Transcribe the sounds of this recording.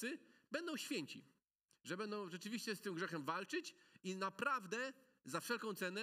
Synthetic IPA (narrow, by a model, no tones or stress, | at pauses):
ɘbɛnd̪ɔ̃w̃ɕfʲjɛɲt͡ɕḭ | ʐɛbɛnd̪ɔ̃w̃ʐɛt͡ʂɘvʲiɕt͡ɕɛst̪ɘmɡʐɛxɛmvalt͡ʂɘt͡ɕinapɾavd̪ɛ | zafʂɛlkɔ̃w̃t̪sɛnɛ